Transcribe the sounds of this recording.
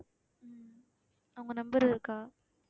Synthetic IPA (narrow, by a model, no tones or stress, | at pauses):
m | ɐʋɯŋɡɐnɐmbɯɾɐðɯkːaː